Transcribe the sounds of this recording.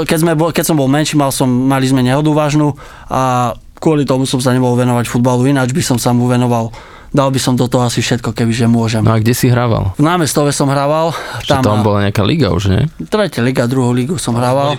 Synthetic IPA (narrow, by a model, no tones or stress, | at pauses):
kɛzmɛbɔkɛcsɔmbɔlˠmɛnʃiːmalsɔmːalizmɛɲɛɦɔd̪uʋaːʒnu | ʔa | kʊɔlit̪ɔmusɔms̬aɲɛmɔɦɔlʋɛnɔʋacfud̪baluinad͡ʒbisɔmsamuʋɛnɔʋal | d̪albisɔmd̪ɔt̪ɔɦɔasifʃɛt̪̚kɔkɛbiʒɛmʊɔʒɛmn̰aɡɟɛsiɦɾaʋa̰lvnaːmɛst̪ɔʋɛsɔmɦɾaʋalt̪aamɔambɔlaɲɛakaliɡa̰ṵʒɲɛ̰t̪ɾɛcaliɡad̪ɾuɦɔʊliɡɔʊsɔmɦɾaʋal